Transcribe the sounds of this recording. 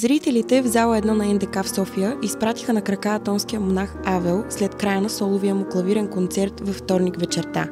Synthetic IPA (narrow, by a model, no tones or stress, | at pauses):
zɾit̪ɛlit̪ɛvzalˠəɛd̪nanɐɛnd̪ɛkafsɔfijəʔispɾat̪i̥xənɐkɾɐkaːt̪ɔnskijəmonaxavɛlˠslɛt̪kɾajənɐsɔlˠʊviəmoklˠɐviɾɛnkont̪sɛɾt̪vɐft̪ɔɾnikvɛt͡ʃɛɾt̪a̰